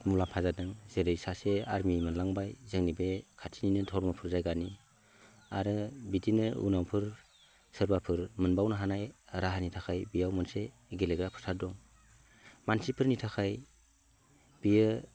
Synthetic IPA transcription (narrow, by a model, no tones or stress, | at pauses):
mulapʰazadɯŋzeɾɯjsaseaɾmimɯnlaŋbajzɯŋnibekʰatʰininɯtʰɔɾmapʰɯɾzajɡani | aɾɯbidinɯṵnawpʰɯɾ | sɯɾbapʰɯɾmɯnbawnɯɦanajɾaɦanitʰakʰajbijawmɯnse | ɡeleɡɾapʰɯ̥sadɔŋ | mansipʰɯɾnitʰakʰaj | b̥ijɯ